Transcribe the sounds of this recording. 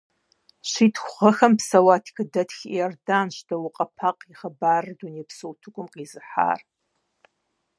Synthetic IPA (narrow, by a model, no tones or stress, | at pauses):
ɕiːtʰxʷχʷɐxɐmpsɐwaːtʰkʰɨdɐtʰxḭɛrdaːnʃdʰɐwʊqʼɐpʰaqʼiχɐbaːrdunepsowtʰɨkʷʼʊmqʼiːzɨħa̰ːr